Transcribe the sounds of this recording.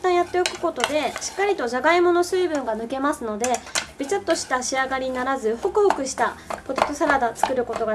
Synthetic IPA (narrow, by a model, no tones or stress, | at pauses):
t̪ãjat̪ːe̞okɯ̟̥ko̞t̪o̞d̪e̞ɕi̥kːaɾʲit̪o̞ʑaɡaimo̞no̞sɨːbɯ̟̃ŋɡanɯ̟ke̞masɨno̞d̪e̞b̥ʲit͡ɕat̪ːo̞ɕi̥t̪aɕiaɡaɾʲiɲinaɾazɨho̞kɯ̟ho̞kɯ̟ɕi̥t̪apot̪et̪ːosaɾad̪at͡sɨ̥kɯ̟ɾɯ̟ko̞t̪o̞ɡa